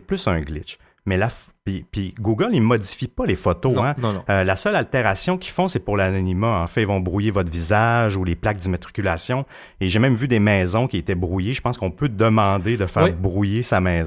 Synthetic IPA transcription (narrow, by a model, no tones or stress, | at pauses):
eplʏsœ̃ɡlɪt͡ʃ | mɛlaf | pipiɡuɡəlimɔd̪d͡zifipalefɔt̪oɛ̃əlasœlalt̪eʁasjɔ̃kʲi̥fɔ̃sɛpʊʁlanɔnimaɑ̃fɛ̃ilvɔ̃bʁujevɔt̪χvizaʒuleplak̚d̪imat̪ʁi̥kʲylasjɔ̃ | eʒemɛ̃mvyd̪emɛːzɔ̃kʲiet̪ɛbʁujeʒə̥pɑ̃skɔ̃pød̪əmɑ̃d̪ed̪əfɛːʁbʁujesamɛːz